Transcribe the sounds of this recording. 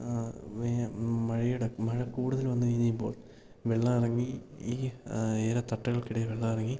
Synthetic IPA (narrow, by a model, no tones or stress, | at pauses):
ʋemɐɻijuɽemɐɻɐkuːɽuðɐlʋɐnːɨʋɐjiɲːijpːo̞ːɭ | ʋeɭːɐːirɐŋːiiːeːɾɐt̪ɐʈːɐɣɐɭkiɽɐjɐʋeɭːɐirɐŋːi